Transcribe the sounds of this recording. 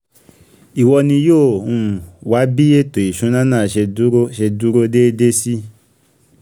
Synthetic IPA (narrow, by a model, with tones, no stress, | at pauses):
i˨wɔ˧nĩ˧joː˦˨ũ˦˧˨wa˨˦bi˦e˦to˨i˨ʃũ˨˦nã˦nãː˦˨ʃe˧˦ʃe˧du˦ɾo˦de˦de˦si˦